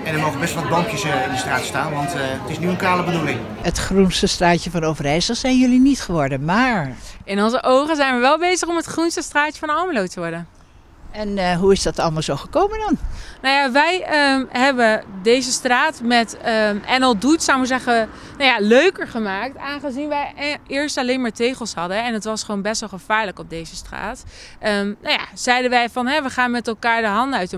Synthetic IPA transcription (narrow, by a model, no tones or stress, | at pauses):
ɛndəɹmoχənbɛstʋlˠʋɑd̚bɑŋkjəsɪndəstraːtstaːnʋɑntətɪsnyənkaːləbədulɪŋ | ətχrunstəstraːtjəfɑnowvərɛjsəlˠsɛjnjɵlinitχəʋɔɹdənmaːɹɪnɔnzəʔowχənzɛjnʋəʋɛlˠbejzəχɔmətχrunstəstraːtjəfɔnɔməlowtəʋɔɹdən | ɛnɦuɪsdɑtɑlˠmalˠzowχəkowməndɑnnawjaʋɛjəmɦɛbədejzəstraːtmɛtɛnɔlˠdutsawməzɛχə | nawjaløɥkəɹχəmaːk̚taːnχəzinʋɛjɪːɹstalejnmaːɹtejχəlˠshɑdəɛnətʋɑsχʋownbɛstʋɛlˠχəv̥aːɹləkɔb̚dejzəstra̰ːtʔəmnawja̰z̥ɛjdənʋɛjfɑnɦɛʋəχaːnmɛtɛlˠkaːɹdəɦɑndəœɥtə